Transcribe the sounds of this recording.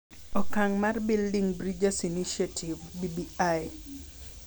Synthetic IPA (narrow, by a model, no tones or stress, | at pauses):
ɔkaŋmarbildiŋbɾid͡ʒasiniʃiatʰivbibiaj